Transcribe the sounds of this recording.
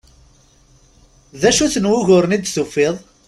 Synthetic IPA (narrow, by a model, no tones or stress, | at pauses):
ðæʃuθnwʊʝʊɾənid̪sufeðˤ